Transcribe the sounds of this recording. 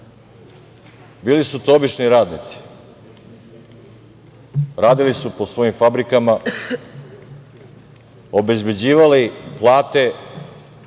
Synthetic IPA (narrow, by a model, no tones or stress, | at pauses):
biːlisut̪obit͡ʃniɾaːd̪nit̪si̥ | ɾaːd̪ilisupo̞sʋo̞jimfabɾikama | o̞be̞zbe̞d͡ʑiːʋaliplˠaːt̪e̞